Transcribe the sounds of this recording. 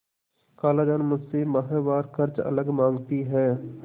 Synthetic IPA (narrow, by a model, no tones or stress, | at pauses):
kaːlaːd͡ʒaːnmʊsemaɦɛ̃ʋaːɾkɐɾt͡ʃɐ̰ləɡmãːŋɡt̪iɦɛː